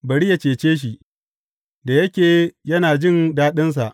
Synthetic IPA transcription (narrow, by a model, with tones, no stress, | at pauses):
bɐ˨ɽi˦ja˨t͡ʃeː˨t͡ʃeː˦ʃ̬i˨ | da˨jɐ˦kʲeː˨jɐ˦naː˨d͡ʒɪ˦˨ndaː˦ɗɪ˦ns̬a˨ʔ